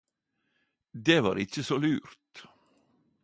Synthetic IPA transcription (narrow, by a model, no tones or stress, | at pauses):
d̪eːʋɑ̰ːɾɪc͡çəsoːlʉːɾt̪